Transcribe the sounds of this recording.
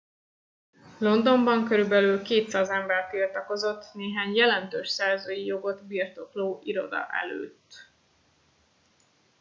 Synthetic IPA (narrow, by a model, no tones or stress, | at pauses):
lo̞nd̪o̞mbɒŋkø̞ɾybɛlyːlkeːt̪sɒzɛmbɛrt̪ilt̪ɒko̞zo̞t̪ːneːɦaːɲjɛlɛnt̪øːʃsɛrzoːjijo̞ɡo̞d̪birt̪o̞kloːʔiɾo̞̰d̪ɒ̰ʔɛ̰lø̰ːt̪